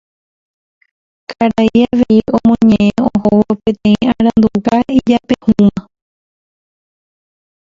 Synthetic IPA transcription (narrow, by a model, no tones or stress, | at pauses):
kaɾaiaʋeiõmõɲẽʔẽõhoʋopẽ̞t̪ẽĩãɾ̃ãnd̪ukaid͡ʒapehũmã